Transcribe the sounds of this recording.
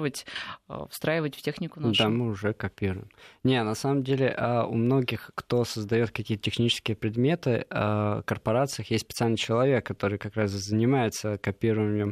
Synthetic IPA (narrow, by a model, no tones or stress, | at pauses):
vətʲfst̪ɾajɪvətʲftʲexnʲɪkʊnd̪amɨʊʐɛkɐpʲiɾʊjɪmnʲenɐsaməmdʲelʲɪʔəʊ̰mno̞ɡʲɪxkt̪o̞səzd̪ɐjo̞t̪kɐkʲiːət̪ətʲɪxnʲit͡ɕɪskʲɪjəpɾʲɪd̪mʲe̞t̪ɨəkərpɐɾat̪sɨjəxjesʲtʲspʲɪt̪sɨalʲnɨjt͡ɕɪlˠɐvʲe̞kːɐt̪o̞ɾɨjkɐkɾaszənʲɪmajɪt̪səkɐpʲiɾʊɪmʲjɪm